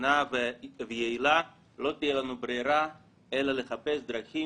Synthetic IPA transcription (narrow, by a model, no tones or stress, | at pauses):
navvejeila | lo̞t̪ijelanubɾeɾa | elale̞χapesd̪ɾaχi